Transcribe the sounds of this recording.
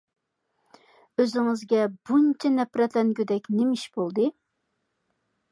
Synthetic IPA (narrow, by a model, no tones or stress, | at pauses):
øzɪŋɪzɡʲɛb̥unt͡ʃʰɛnɛpɾɛt̪lɛnɡʲyd̪ɛkʲnemɪʃbolˠd̪ɨ